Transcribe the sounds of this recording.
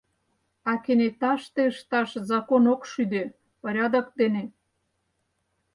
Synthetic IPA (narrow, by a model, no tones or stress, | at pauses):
ɑkenet̪ɑʃt̪eəʃt̪ɑʃzɑkonokʃyd̪e | pəɾʲɑd̪ə̆k̚d̪ene